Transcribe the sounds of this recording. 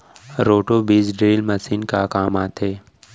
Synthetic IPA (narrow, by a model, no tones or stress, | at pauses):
ɾoːʈobiːd͡ʒɖɾeːlmɐsiːnkakaːmaːt̪eː